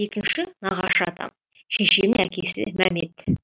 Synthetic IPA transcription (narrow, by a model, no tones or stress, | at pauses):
e̞kʲɪnʃɪnɑʁɑʃɑt̪ʰɑ̰m | ʃeʃemɪækʲesɪ̰mæmḛt̪